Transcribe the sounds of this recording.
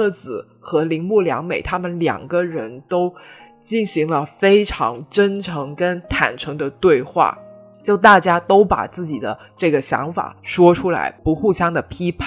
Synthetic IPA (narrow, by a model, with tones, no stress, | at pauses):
t͡sɹ̩˨˩ | xɤ˧˥li˧˥ŋmu˥˩ljɑ̰˧˥ŋme˨˩ɪt̪ʰa˥mə˨nljɑ̰˨˩ŋɡə˧ɻə˧˥nt̪o˥ʊ | t͡ɕi˥˩nɕi˧˥ŋlə˧fe˥ɪʈ͡ʂʰɑ̰˧˥ŋʈ͡ʂə˥nʈ͡ʂʰɤ˧˥ŋkə˥nt̪ʰa̰˨˩nʈ͡ʂʰɤ˧˥ŋd̪ə˧t̪we˥˧ɪxwa̰˥˩ | t͡ɕjo˥˧ʊt̪a˥˩t͡ɕja˥t̪o˥ʊpa̰˨˩t͡sɹ̩˥˩t͡ɕi˨˩d̪ə̰˦ | ʈ͡ʂɤ˥˩ɡə˩ɕjɑ̰˧˥ŋfa̰˨˩ʂwɔ˥ʈ͡ʂʰu˥la̰˧˥ɪpu˧˥xu˥˩ɕjɑ˥ŋd̪ə˨pʰi˥pʰ